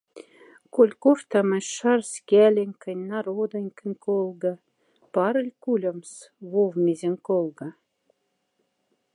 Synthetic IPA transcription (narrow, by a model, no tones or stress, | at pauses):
kolʲkoʃt̪ɑmə̆ʃɑrskʲælʲɘ̆nʲkə̆nʲnɑɾod̪ɤ̆nʲkə̆nʲkolɡɑ̆ | pɑɾə̆lʲkulʲə̆ms | βovmʲizʲĕŋʲkolɡɑ̆